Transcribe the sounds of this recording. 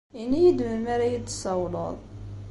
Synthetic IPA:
inːijəd̪məɾmæɾæjəd̪ə̥sɑwlə̰ðˤ

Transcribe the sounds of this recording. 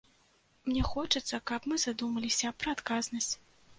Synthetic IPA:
mnʲɛxɔt͡ʂɐt̪sːɐkɐpmɨzad̪umɐlʲisʲɐpɾɐːt̪kaznɐsʲt͡sʲ

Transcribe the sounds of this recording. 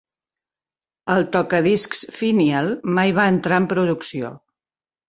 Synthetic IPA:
əlˠt̪ɔkəðisksfinialˠmajβ̞aənt̪ɾaəmpɾuðuksio̰

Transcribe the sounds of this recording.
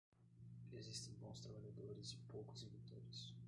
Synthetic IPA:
ezist̪ẽj̃bõw̃st̪ɾabaʎad̪oɾɪzĩpowkʊ̥zevit̪oɾɪs

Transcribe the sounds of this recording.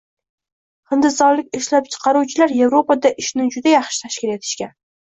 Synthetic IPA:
χɨnd̪ɪsɒɾlɪkʲɪʃlap̚t͡ʃʰɨ̥qʰɑɾuwt͡ʃʰɪlaɾje̞vɾo̞pad̪aʔɪʃnɪd͡ʒʊd̪ajɑχʃɪ̥t̪ʰaʃkʲɪle̞t̪ʰɪ̥ʃkʲan

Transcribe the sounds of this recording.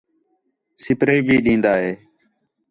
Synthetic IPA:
sɪpɾeːbʱiːɗĩːnd̪aːɦeː

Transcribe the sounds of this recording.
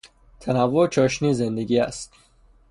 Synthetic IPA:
t̪ʰanavot͡ʃʰɔʃnizend̪eɡʲiæ̰st̪

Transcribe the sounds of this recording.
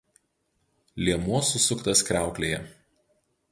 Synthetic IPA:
lʲiɛmuɔsʊsʊkt̪ɐskɾʲæˑʊklʲeːjɛ

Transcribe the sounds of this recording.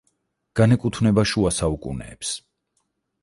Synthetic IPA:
ɡ̥anɛkʼut̪ʰvnɛbaʃuasaukʼṵnɛ̰ːps

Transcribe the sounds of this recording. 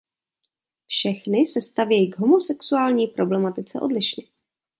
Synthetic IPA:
fʃɛxnɪsɛst̪avjɛjiɡɦo̞mo̞sɛksuaːlɲiːpɾo̞blɛmat̪ɪt͡sɛʔo̞dlɪʃɲɛ

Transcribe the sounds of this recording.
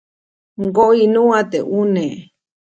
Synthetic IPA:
ŋɡoʔinũat̪eʔune

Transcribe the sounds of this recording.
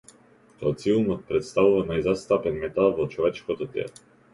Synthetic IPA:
t̪ɔat̪silˠnɔt̪̚pɾɛt̪st̪avuvanajzast̪apɛnmɛt̪alˠvɔt͡ʃɔvɛt͡ʃkɔt̪ɔt̪ɛ̰lˠ

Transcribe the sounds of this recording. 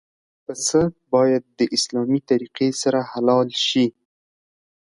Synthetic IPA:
pəsəbɑjad̪̚ːəʔɪslɑmit̪aɾiqesaɾahalɑlʃi

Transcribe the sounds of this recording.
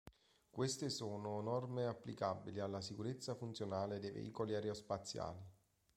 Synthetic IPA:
kwest̪ɪsoːnonɔrmeapːlikabilialːasikuɾet̪sːafunt̪sjonaːled̪ejvḛʔḭːkoliaɾeospat̪sːja̰ːli

